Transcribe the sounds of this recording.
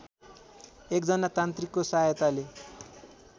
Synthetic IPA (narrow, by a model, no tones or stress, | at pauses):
ekd͡zʌnat̪ant̪rikːosajʌt̪ale